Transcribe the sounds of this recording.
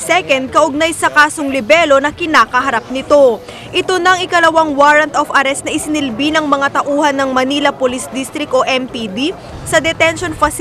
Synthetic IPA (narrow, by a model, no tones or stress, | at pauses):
sɛkɐnd̪̚kɐʔʊɡ̚najsɐkaːsoŋlɪbɛlo̞nɐkɪnaːkɐɦɐɾap̚nɪt̪o̞ | ʔɪt̪o̞nɐʔɐŋɪkɐlɐwaŋwaɾɐnt̪ʔofɐɾɛst̪̚nɐʔɪsɪnɪlbinɐŋmɐŋat̪ɐʔuːhɐnːɐŋmɐniːlɐpolisd̪ist̪ɾɪk̚t̪ʔo̞ʔɛmpid̪i | sɐd̪ɛt̪ɛnʃo̞nfɐs